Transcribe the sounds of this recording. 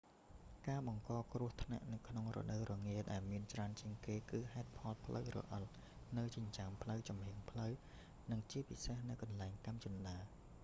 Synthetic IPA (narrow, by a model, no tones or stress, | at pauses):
kaːɓɑŋkɑːkrʊ̆əht̪ʰna̰ʔnɨwkʰnoŋrɔ̰ɗəwrɔŋiəɗaɛlmiənt͡ɕraənt͡ɕiəŋkeːkɨːhaɛt̪̚pʰɑlpʰləwrɔ̰ʔət̪̚ | nɨwt͡ɕəɲt͡ɕaːmpʰləwt͡ɕɑmhiəŋpʰləw | nɨŋt͡ɕiəpisehnɨwkɑnlaɛŋt̪amt͡ɕunɗaː